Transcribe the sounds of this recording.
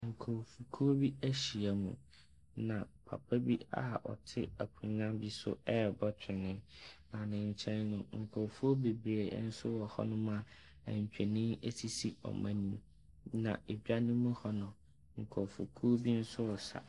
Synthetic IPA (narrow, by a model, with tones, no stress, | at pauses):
ŋ̩˨kʰɔ˨fu˨kʰu˦bi˦æ˦ɕi˨a˨mṵ̃˨ | nã˨pʰa̰˨pʰa˦bi˦a̰˨ʔɔ̰˨tʰɪ˦æ˨kʰũ˨nã˦mbi˦sʊ̰˦ɛ˦˨bɔ˦tʰɪ˨nɪ̃˦nã˨nɪ̃˨ɲ̩˨t͡ɕʰɛ̃˦nːʊ̃˨ŋ̩˨kʰɔ˨fu˦o˦be˨bɾe˨˦n̩˦sʊ˦wɔ˨hɔ̰˦nʊ̃˦mã˦˨ | æ̰̃˨ɲ̩˨t͡ɕᶣɛ˨nĩ˦e˦si˦si˦ɔ̰˨mã˦nĩ˦m | nã̰˨e˨bᶣa˦nɪ̃˦mũ˦hɔ˦nʊ̃˨ | ŋ̩˨kʰɔ˨fṵ˨kʰu˦o˦bi˦n̩˦sʊ˦wɔ˨sa̰˨